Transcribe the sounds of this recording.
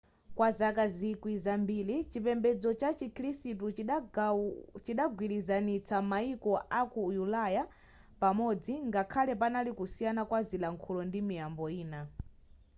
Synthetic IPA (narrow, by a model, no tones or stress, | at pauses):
kwazakazikwizambilit͡ʃipɛmbɛd͡zɔt͡ʃat͡ʃikʰɾisitut͡ʃ | t͡ʃiɗaɡwilizanit͡sʰamaikɔʔakujulaja | pamɔd͡ziŋɡakʰalɛpanalikusijanakwazilaŋkʰulɔndimijambɔiːna